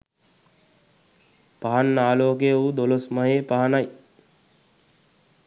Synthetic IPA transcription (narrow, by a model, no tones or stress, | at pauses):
paɦanːaːloːɡejoud̪olosmɐɦeːpaɦanaj